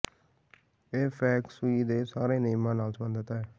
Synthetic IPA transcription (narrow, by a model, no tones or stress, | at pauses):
eːpʰɛːksuiːd̪eːsaːɾeːneːmãːnaːlsmənd̪ət̪aːɦɛː